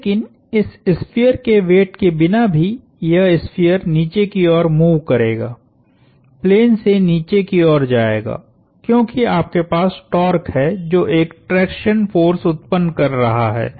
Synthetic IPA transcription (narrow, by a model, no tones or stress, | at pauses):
leːkɪn | ɪsɪspʰijəɾkeʋeːʈkebɪnabʱi | jɐɦɪspʰijəɾniːt͡ʃekiɔːɾmuːʋkɐɾḛːɡa̰ː | pleːnseniːt͡ʃekiɔːɾd͡ʒaːḛːɡa̰ː | kjõːkiaːp̚kepaːsʈɔːɾkɦɛd͡ʒoːʔeːkʈɾɛːkʃənfoːɾsʊt̪pənkɐɾːɐɦaɦɛ̰ː